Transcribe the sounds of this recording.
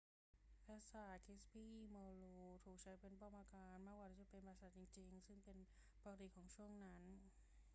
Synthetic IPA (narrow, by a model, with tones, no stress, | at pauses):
pʰa˦˧˥saː˨˩t̪̚kʰi˦˥spiː˥˩mɔː˧luː˧t̪ʰuː˨˩k̚t͡ɕʰa˦˥jpe˧npɔ˥˧maː˧kaː˧nma˥˩k̚waː˧˩aː˧˩t͡ɕa˨˩pe˧npːsa˨˩t̪̚t͡ɕi˧ŋt͡ɕi˧ŋsɯ˥˩ŋpe˧n | pa˧ka˧t̪i˨˩kʰɔː˩˦ŋt͡ɕʰu˥˩əŋna˦˥n